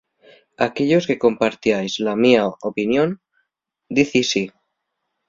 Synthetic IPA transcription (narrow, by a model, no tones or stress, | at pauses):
akeʎo̞ske̞ko̞mpaɾt̪jajzlamiaopinjõ̞n | d̪iθisi